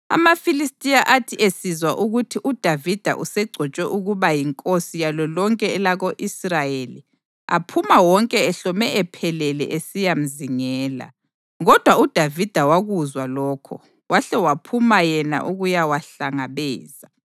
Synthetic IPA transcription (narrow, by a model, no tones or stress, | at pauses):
a̰mafilistʼijaʔatʰiʔesizwaʔuɣutʰiʔud̥ʱavid̥ʱa̰ʔusɛɡ͡ǀʱɔt͡ʃʼwɛʔuɣuβajiŋkʼosijalɔlɔŋkʼɛɛlaɣoʔisrajelḭ | a̰pʰumawɔŋkʼɛɛɬɔmɛʔɛpʰɛlɛlɛ̰ʔesijam̩ziŋɛːla̰ | ɣɔd̥ʱwaud̥ʱavid̥ʱawaɣuzwalɔːkʰɔ̰ | waɬɛwapʰumajɛna̰ʔuɣujawaɬaŋaβɛːza